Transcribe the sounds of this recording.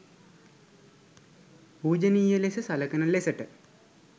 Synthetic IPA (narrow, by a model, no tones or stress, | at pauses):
puːd͡ʑɐniːjɐlesɐsɐlɐkɐnɐlesɐʈːɨ